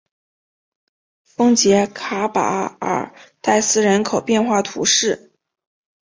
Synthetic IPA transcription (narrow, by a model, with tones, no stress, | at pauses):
fɤ˥ŋt͡ɕjɛ˧˥kʰa˧˥pa̰˧˥ə̰˞˨˩t̪a˥˩ɪsɹ̩˥ɻə˧˥nkʰo˨˩ʊpjɛ˥˧nxwa˥˩t̪ʰṵ˧˥ʂɻ̩˥˩